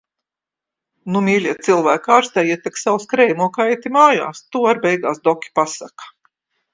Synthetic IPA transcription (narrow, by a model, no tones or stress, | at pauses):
numʲiːlʲiɛt̪t̪silˠvæːkaːɾst̪ɛjɛt̪ʲɛksawskɾɛjnuɔkajt̪imaːja̰ːst̪uːaɾbɛjɡa̰ːsd̪ɔkʲi̥pasakḁ